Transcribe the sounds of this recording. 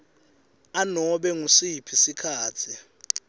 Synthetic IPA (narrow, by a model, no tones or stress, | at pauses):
anɔɓɛŋusipʰisikʰaːt͡sʰi